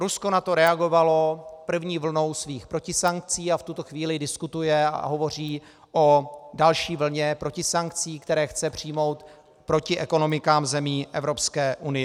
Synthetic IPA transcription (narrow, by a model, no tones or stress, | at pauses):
ɾusko̞nat̪o̞ɾɛaɡo̞valo̞pr̩vɲiːvl̩no̞wsviːxpɾo̞cɪsaŋk̚t͡siːaft̪ut̪o̞xviːlɪdɪskut̪ujɛa̰ɦo̞vo̞r̝iː | ʔo̞dalʃiːvl̩ɲɛpɾo̞cɪsaŋkt͡siːkt̪ɛɾɛːxt͡sɛpr̝̥ɪjmo̞wt̪ | pɾo̞cɪʔɛko̞no̞mɪkaːmzɛmiːʔɛ̰vɾo̞pskɛːʔunɪjɛ